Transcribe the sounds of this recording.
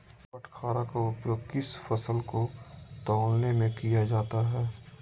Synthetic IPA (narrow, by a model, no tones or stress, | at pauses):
pɐʈʰkʰaːɾakaʊpjoːɡ̚kɪsfɐsəlkot̪ɔːlnemẽkijad͡ʒaːt̪aɦɛː